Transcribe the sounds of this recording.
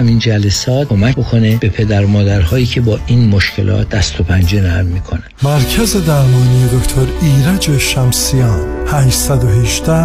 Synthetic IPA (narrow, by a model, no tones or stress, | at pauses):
æmind͡ʒælesɒːt̪̚kʰomækbokʰo̞neb̥e̞pʰe̞d̪æɾmɒːd̪æɾhɒːjiːcʰe̞bɒːʔiːnmoʃcʰe̞̰lʔɒ̰ːt̪̚d̪æst̪ʰopʰænd͡ʒenæɾmːikʰo̞næmæɾcʰæzed̪æɾmɒːnijed̪okt̪ʰoɾiːɾæd͡ʒeʃæmsijɑːnhæʃsæd̪oɦeʒd̪æ